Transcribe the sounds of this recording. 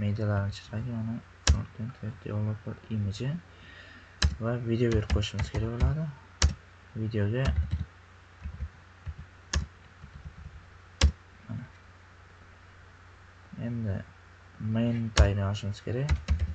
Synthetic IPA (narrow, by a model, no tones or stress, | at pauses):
med̪ijalaɾnɪt͡ʃʰɪ̥ɾaɡʲɪanɪ | fʰoɾt̪ʰent̪ʰed̪ʰḭjolˠopbɪɾimɪd͡ʒɪn | vavid̪eobeɾqʰojɪʃɪmɪz̥kʲʰeɾakʲbolˠad̪ɪ | vid̪ejoɡʲa | mana | e̞nd̪ɪ̰ | mejnt̪ʰajnjɒɪʃɪmɪz̥kʲʰe̞ɾakʲ